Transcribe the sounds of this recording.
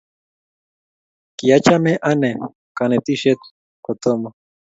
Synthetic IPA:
kijat͡ʃameʔane | kanet̪iʃet̪ | kot̪omo

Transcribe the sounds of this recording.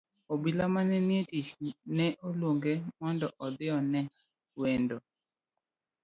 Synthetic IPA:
obilamanɛnjetit͡ʃnɛʔolwoŋɡemɔndɔʔɔd̪ɪɔnɛ | wendo

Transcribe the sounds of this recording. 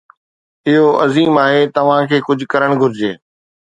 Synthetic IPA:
ɪɦoʔɐziːmaːɦet̪ɐʋ̤ãkʰeːkʊd͡ʑʱkɐɾəɽ̃ɡʱʊɾd͡ʑeː

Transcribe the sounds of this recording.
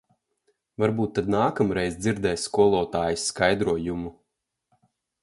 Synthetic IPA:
vaɾbuːt̪ːad̪naːkamɾɛjzd̪ziɾd̪ɛːjskuɔlˠɔːt̪aːjusːkajd̪ɾuɔjumu

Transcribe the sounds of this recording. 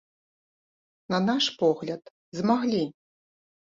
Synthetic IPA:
nɐnaʂpɔɣlʲɐt̪ | zmaɣlʲi

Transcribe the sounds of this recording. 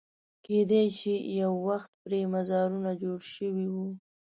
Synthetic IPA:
ked̪ejt͡ʃijawːaxt̪̚pɾemazɑɾunad͡ʒoɽʃəwiwu

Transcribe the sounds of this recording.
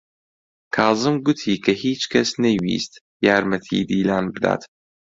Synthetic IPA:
kʰɑːzɨmɡʊt̪ʰiːkʰɐhiːt͡ʃkʰɐsnɐjwḭst̪ | jaːɾmɐt̪ʰḭːd̪iːlaːnbɨd̪a̰ːt̪

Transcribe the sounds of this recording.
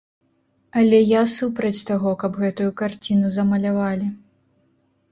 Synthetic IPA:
ɐlʲɛjasupɾɐt͡sʲt̪aɣɔkɐbɣɛt̪ujukart͡sʲinuzɐmɐlʲavalʲi

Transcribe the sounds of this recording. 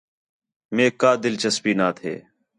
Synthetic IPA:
mẽːkaːd̪ɪlt͡ʃəspiːnaːt̪ʰḛː

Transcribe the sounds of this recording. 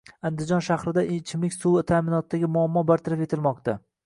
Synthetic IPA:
and̪ɪzd͡ʒɒnʃahɾɪd̪aʔɪt͡ʃʰɪmlɪkʲsuat̪ʰaːmɪnɒt̪d̪aɡʲɪmʊamːɒbaɾt̪ʰaɾafe̞t̪ʰɪlmɒqt̪ʰa

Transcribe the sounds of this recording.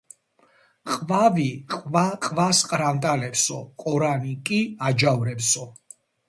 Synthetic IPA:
qʼvaviqʼvaqʼvasqʼɾavnt̪ʼalɛpsɔqʼɔɾanikʼiad͡ʒavɾɛpsɔ

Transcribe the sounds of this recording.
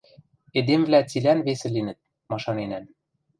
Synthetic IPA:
ed̪emvlæt͡silænvesɘ̆linɘ̆t̪̚ | mɑʃɑnenæn

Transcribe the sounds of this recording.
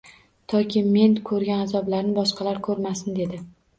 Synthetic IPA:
t̪ʰɒkʲʰɪme̞nkʰɵɾɡʲanazɒblaɾnɪbɒʃqʰɑlaɾkʰɵɾmasɪnd̪e̞d̪ɪ

